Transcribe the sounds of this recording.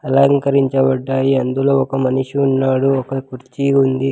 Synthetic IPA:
ɐlɐŋkɐɾiɲt͡ʃɐbɐɖːaːjiɐnd̪uloːɔkɐmɐniʂuunːaːɽuɔkɐkuɾt͡ʃiund̪i

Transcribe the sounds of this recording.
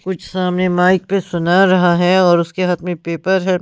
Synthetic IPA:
kʊt͡ʃʰsaːmnemaːɪk̚pesʊnaɾɐɦaɦɛɔːɾʊskeɦɐt̪mẽpeːpəɾɦɛː

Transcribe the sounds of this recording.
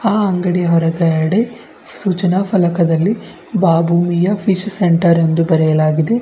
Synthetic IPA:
aːɐŋɡɐɽijɐɦɔɾɐɡɐjɐɽe | suːt͡ʃɐnaːpʰɐlɐkɐd̪ɐlːi | baːbʱuːmijɐfʰiʃseɳʈɐɾend̪ubɐɾɛjɐlaːɡid̪e̞

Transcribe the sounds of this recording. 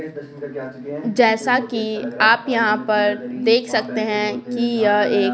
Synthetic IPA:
d͡ʒɛːsakiaːpjɐɦãpɐɾd̪eːkʰsɐk̚t̪eɦɛ̃kijɐeː

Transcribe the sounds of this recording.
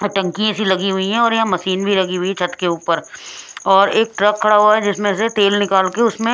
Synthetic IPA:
ʈɐ̃ŋkiẽsilɐɡiɦʊiɦɛ̃ɔːɾjɐɦãmɐsiːnbʱilɐɡiɦʊit͡ʃʰɐʈ̪keuːpəɾɔːɾeːk̚ʈɾɐkʰːɐɽaɦuaɦɛd͡ʒɪsmẽset̪eːlnɪkaːlkeʊsmẽ

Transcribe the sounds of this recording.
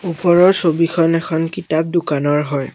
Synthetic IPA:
upɔɹɔɹsobikʰɔnɛkʰɔnkitap̚dukanɔɹɦɔj

